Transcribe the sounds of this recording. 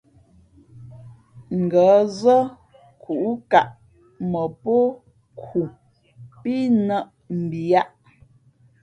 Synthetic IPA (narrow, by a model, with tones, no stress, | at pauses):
ŋ̩˨ɡə˨˦zə˦ | kʰu˨ʔu˦ka˨ʔ | mə˨po˦ | kʰu˨ | pi˦nə˦˨ʔ | m̩˨bi˨a˦ʔ